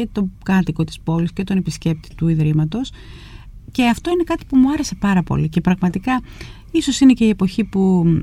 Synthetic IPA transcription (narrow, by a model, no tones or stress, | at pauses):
e̞t̪o̞kɐt̪iko̞t̪i̥spo̞lisce̞t̪o̞ne̞pisce̞p̚t̪i̥t̪uiðɾimɐt̪o̞s | ce̞ɐft̪o̞ine̞kɐt̪i̥pumuɐɾe̞se̞pɐɾɐpo̞̰lice̞pɾɐɣmɐt̪ikɐ | iso̞sinece̞ie̞po̞çipu